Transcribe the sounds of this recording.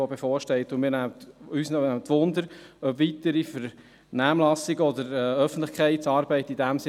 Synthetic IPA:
obefɔːɾʃtɛɪt̪ʊmiːɾnæmətysnɛæmətʋʊnd̪əɾœbʋit̪əɾifəɾ | næːmlɑsiɡəɔd̪əɾɛœfən̩tlɪχkʰχɛɪsɑːɾbɛɪtidæmsɪ

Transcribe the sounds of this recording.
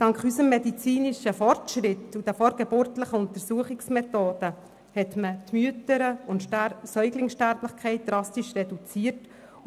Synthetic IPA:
d̥ɑŋkχysəmːɛdit͡siːniʃəfɔrtʃɾɪtud̥æfɔɾɡɛbøɾtləχəʊnt̪əɾsuəχɪksmɛtoːd̥ə | hɛtmətmyətəɾəʊntsœʏɡlɪŋsʃtæɾbləχkʰχɛɪt̚d̥̪ɾɑstiʃrɛdut͡siːəɾt

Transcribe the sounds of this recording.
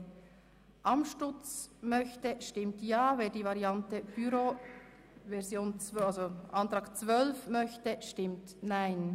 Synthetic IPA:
ʔɑmʃtʊt͡smœçtəʃtɪmtjɑːveːdiːvɑɾiɑntəb̥yɾo | vɛɾzjoːnt͡salzoʔɑntɾɑːkt͡svœlfmœçtəʃtɪmtnaɪn

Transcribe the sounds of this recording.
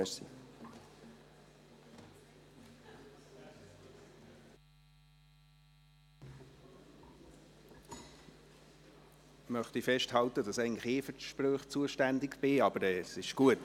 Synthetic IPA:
ɛʃsḭ | mœχtifɛʃthɑltəd̥ɑsæɪɡntləχɪːfʏtʃprøːχt͡suəʃtændɪkb̥ɪɑb̥əɾɛːsɪʃɡ̥uət

